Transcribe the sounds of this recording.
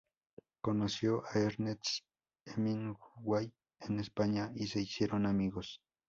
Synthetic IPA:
konosjoʔaeɾnet͡s | emiŋɡuwaj | enespaɲaiseisjeɾonamiɣos

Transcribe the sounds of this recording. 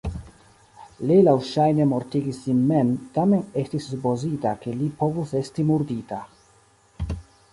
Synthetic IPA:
lelawʃajne̞mo̞ɾtiɡislinme̞mtame̞ne̞stisːupo̞zitake̞lipo̞vuse̞stimuɾdita

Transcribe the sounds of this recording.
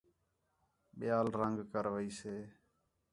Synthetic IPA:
ɓɪjaːlɾəŋɡkəɾʋəiːseː

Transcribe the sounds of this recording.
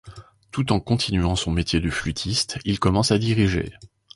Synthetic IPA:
t̪ut̪ɑ̃kɔ̃t̪ʰinɥɑ̃sɔ̃met̪jed̪əflyt̪ʰist̪ilkɔmɑ̃sad̪iʁiʒḛ

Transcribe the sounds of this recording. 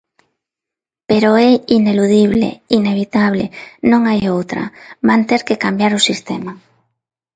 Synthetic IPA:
peɾoɛineluð̞iβ̞lḛineβ̞it̪aβ̞lḛnõŋajowt̪ɾa̰βant̪eɾkekambjaɾosist̪ema

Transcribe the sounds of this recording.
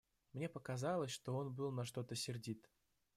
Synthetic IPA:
mnʲe̞pəkazɑlˠəsʲʂt̪o̞onbɨlˠnɐʂt̪o̞t̪əsʲɪrdʲit̪

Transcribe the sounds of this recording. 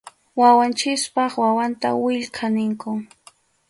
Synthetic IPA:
wawant͡ʃɪspɑχwawant̪a̰wɪʎkʰanɪŋkʊ

